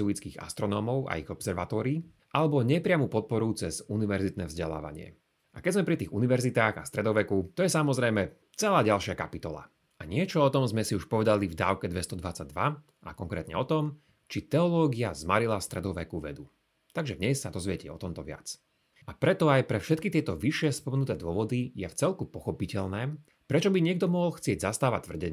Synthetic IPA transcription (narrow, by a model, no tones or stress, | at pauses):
zuit͡skiːɣa̰st̪ɾɔnɔːmɔʊʔa̰iɣɔbsɛɾʋat̪ɔːɾiː | ʔalɛbɔɲɪɛpɾɪamupɔt̪̚pɔɾut͡sɛzuniʋɛɾzit̪nɛːvzɟɛla̰ːʋa̰ɲɪɛ̰ | ʔakɛzmɛpɾit̪iːɣuniʋɛɾzit̪aːɣast̪ɾɛd̪ɔʋɛkut̪ɔjɛsamɔzɾɛjmɛ | t͡sɛlaːɟalˠʃɪakapit̪ɔla̰ | aɲɪɛt͡ʃɔɔt̪ɔmzmɛsiuʃpɔʋɛd̪alivd̪aːʊkɛd̪ʋɛst̪ɔd̪ʋat͡saɟ̚d̪ʋa | a̰kɔŋkɾɛːt̪ɲɛ̰ɔt̪ɔm | t͡ʃit̪ɛɔlɔːɡiazmaɾilafst̪ɾɛd̪ɔʋɛkuʋɛ̰d̪u | t̪aɡʒɛd̪ɲɛsːad̪ɔzʋɪɛcɛ̰ɔ̰t̪ɔmt̪ɔʋɪa̰t͡s | apɾɛt̪ɔajpɾɛfʃɛt̪̚kit̪ɪɛt̪ɔʋiʃɪɛspɔmɛnut̪ɛːd̪ʊɔʋɔd̪ijɛft͡sɛlkupɔxɔpicɛlnɛː | pɾɛt͡ʃɔbiɲɪɛɡ̚d̪ɔmɔɦɔlxt͡sɪɛɟzast̪aːʋac̚t̪ʋvr̩ɟɛɲ